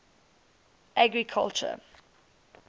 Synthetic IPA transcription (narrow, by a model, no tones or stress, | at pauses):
ʔaɡɹikʰa̰lt͡ʃə̰